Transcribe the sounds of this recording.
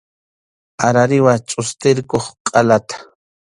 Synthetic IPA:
aɾaɾɪwat͡ʃʼʊst̪ɪɾkoχqʼalat̪ḁ

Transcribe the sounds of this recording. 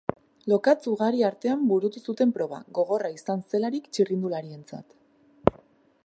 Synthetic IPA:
lo̞kat͡suɣaɾiaɾt̪e̞ambuɾut̪usut̪e̞mpɾo̞βa̰ɣo̞ɣ̞o̞raisanse̞laɾikt͡ʃirind̪ulaɾie̞nt͡sa̰t̪

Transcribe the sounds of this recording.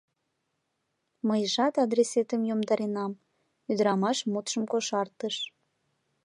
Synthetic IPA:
məjʒɑt̪ɑd̪ɾeset̪əmjomd̪ɑɾenɑm | yd̪əɾɑmɑʃmut̪ʃəmkoʃɑrt̪əʃ

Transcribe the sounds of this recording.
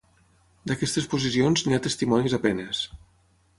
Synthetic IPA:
d̪akɛst̪espuzisionzniat̪əst̪imɔnizapɛnes

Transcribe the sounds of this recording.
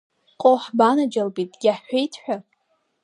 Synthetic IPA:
qʼoħbanad͡ʒalbitʼɡʲaħħʷᶣejtʰħʷᶣa

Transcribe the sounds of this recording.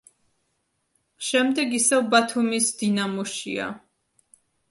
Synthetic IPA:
ʃɛmd̪ɛɡisɛvbat̪ʰumisd̪̥inamɔʃḭa̰

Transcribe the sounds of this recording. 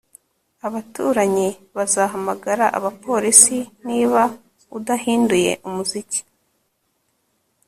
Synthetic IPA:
aβatuːɾaɲiβazaːɦamaɡaɾaʔa̰βapo̞ɾisiniːβa | udahiːnduje̞̰ʔumuzici̥

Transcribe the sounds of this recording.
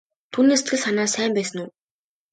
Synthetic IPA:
t̪ʰuːniːse̥t̪ɡɘ̆ɮsanaːsæːmpæːsə̆nuː

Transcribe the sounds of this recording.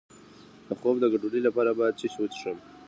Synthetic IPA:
d̪̥əxobd̪əɡaɖuɽilapɑɾabajad̪̚t͡ʃiɕwət͡ʃʂəm

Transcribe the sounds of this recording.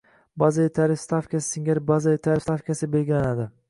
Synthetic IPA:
bazat̪ʰaɾɪfst̪afkʲasɪŋɡʲaɾbazat̪ʰaɾɪfst̪afkʲasɪbe̞lɡʲɪlanad̪ɪ

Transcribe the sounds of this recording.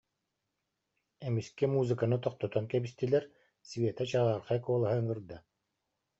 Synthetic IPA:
ɛmiskɛmuːzɯkanɯt̪ɔqt̪ɔt̪ɔnkɛbist̪ilʲɛɾ | svʲeːt̪at͡ɕaʁaːɾχaɛkuɔlˠaɦaŋɯɾd̪a

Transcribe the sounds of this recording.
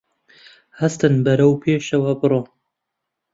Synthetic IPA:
hɐst̪ɨnbɐɾɐwpʰeːʃɐwɐbɨroː

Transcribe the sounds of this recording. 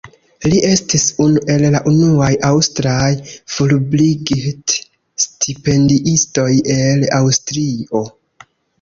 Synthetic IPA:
liʔe̞stisunuʔe̞lːaʔunuajawstɾajfulbliɡit | stʰipe̞ndiʔisto̞je̞lawstɾio̞

